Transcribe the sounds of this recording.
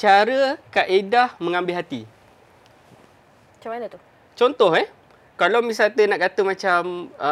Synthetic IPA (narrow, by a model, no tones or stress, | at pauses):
t͡ʃaɾəkaʔedahmə̃ŋãmbɪlɦat̪ḭ | t͡ʃamanət̪u | t͡ʃɔnt̪ɔhɛh | kalamisat̪ənaʔkat̪əmãt͡ʃamə